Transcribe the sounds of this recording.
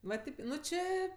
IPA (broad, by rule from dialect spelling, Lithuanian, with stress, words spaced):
ʋɐ ˈtʲeːp ˈnʊ ˈt͡ʃʲeː